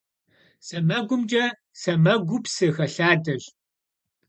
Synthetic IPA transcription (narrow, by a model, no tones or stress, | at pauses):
sɐmɐɡʷʊmd͡ʒɐ | sɐmɐɡʷʊpsɨxɐɬaːdɐɕ